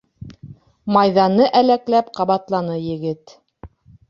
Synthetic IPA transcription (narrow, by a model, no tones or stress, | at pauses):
mɑjðɑnɤʔælæklæpqɑβɑt̪lˠɑnɤjɘ̆ɡɘt̪